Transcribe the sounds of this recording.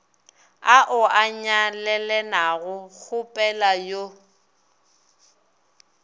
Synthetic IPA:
aʔʊaɲalɛlɛnaɣʊk͡xʰʊpʼɛlajo

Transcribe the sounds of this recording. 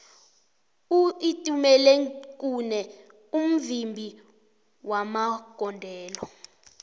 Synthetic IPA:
uitʼumɛlɛk̬ʼunɛ | um̩vimbʱi | wamaɡ̥ʱɔndʱɛːlɔ

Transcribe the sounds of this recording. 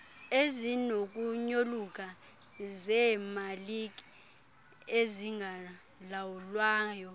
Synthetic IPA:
ezinok̬ʼuɲolukʼa | zɛmalikʼi | eziŋɡʱa | lawulwaːjɔ

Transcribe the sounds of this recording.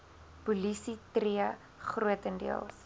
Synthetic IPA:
pulisitriə | χruətəndḭə̰lˠ

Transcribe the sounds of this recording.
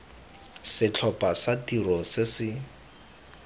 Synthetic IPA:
sɪt͡ɬʰɔpʼasatirɔsɪsɪ

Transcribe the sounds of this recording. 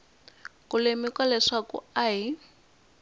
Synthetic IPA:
kulemikwalɛʂakṵaɦi

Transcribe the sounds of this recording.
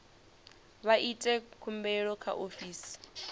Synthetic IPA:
βaʔitʼɛkʰumbɛɺɔkʰa̰ʔofiːsi̥

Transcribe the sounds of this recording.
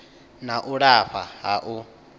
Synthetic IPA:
naʔuɺaɸa̰ɦaʔu

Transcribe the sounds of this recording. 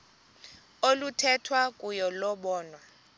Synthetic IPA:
olutʰɛtʰwakʼujɔlɔɓɔːnwa

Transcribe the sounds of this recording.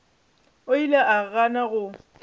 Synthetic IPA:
oilaʔaɣanaɣʊ

